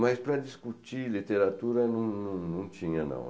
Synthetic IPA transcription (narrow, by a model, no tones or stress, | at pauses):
majspɾad̪iskut̪ilit̪eɾat̪uɾɐnũŋnũŋnũŋt͡ʃ̪iɲanã̰w